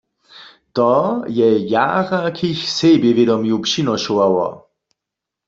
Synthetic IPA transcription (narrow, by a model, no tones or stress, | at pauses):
t̪ɔjɛja̰ɣakʰiçsebjevjed̪ɔmjupɕinɔɕuwawɔ̰